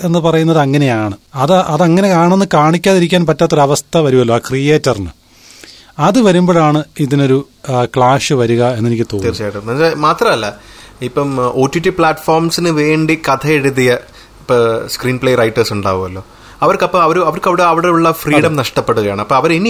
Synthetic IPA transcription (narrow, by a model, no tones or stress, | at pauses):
e̞nːɨpɐrɐjunːɐðɨɐŋːɐne̞jaːɳɨɐðɨʔɐðɐŋːɐne̞kaːɳenːɨkaːɳikʲːaːðiɾikʲːaːnpɐtːaːt̪ːoɾuɐʋɐst̪ʰɐʋɐɾuɣɐloːaːkrijeːtːɐrinɨ̰ | ɐðɨʋɐɾumbo̞ːɭaːɳɨiðino̞ɾu | kɭaːʂɨʋɐɾuɣɐe̞nːenikʲːɨt̪oːnːt͡ɕaːjʈːɐɐsemaːt̪rɐmɐlːɐipːɐmoːtːjuʈːipɭaːʈfoːrmsinɨʋe̞ːɳɖikɐt̪ʰɐeɽuðijɐ | ipːoskriːnpɭejrɐjʈːɐrsuɳɖa̰ːʋumɐlːo̞ː | ɐʋɐrkɐpːoːɐʋɐɾuɐʋɐrkɐʋiɽeɐʋiɽeuɭːɐfriːɽɐmnɐʂʈɐpːeɽːuɣɐjaːɳɨɐpːoːɐʋɐɾeni